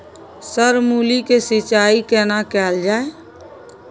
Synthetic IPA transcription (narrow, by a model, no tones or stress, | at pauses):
səɾmuːlikesɪt͡ʃaːikɛːnakɛːld͡ʒaːe